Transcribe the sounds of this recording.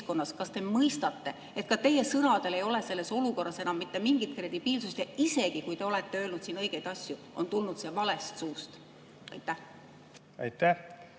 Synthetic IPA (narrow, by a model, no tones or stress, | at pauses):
ko̞nːɑskɑst̪e̞mɤjst̪ɑt̪ːe̞ | e̞t̪̚kɑt̪e̞je̞sɤnɑd̪̥e̞le̞jo̞le̞se̞lːe̞so̞luko̞rːɑse̞nɑmːit̪ˑːe̞miŋɡ̥it̪̚kre̞d̪̥ib̥iːlsust̪jɑise̞ɡ̥ikujt̪e̞o̞let̪ːe̞ø̞ːlnud̪̥siːnɤ̞jɡ̥e̞jd̪ɑsʲjuʔo̞̰nt̪ulnud̪se̞ːvɑle̞st̪suːst̪ | ɑ̰jt̪ːˑæh | ɑ̰jt̪ːæh